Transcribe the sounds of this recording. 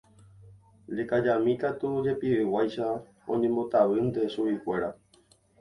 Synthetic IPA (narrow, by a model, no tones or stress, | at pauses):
dekad͡ʒamĩt̪at̪ud͡ʒe̞piɾɨwajʃa | õ̰ɲẽ̞mbo̞t̪aʋɨnt̪e̞ʃuikʷe̞ɾa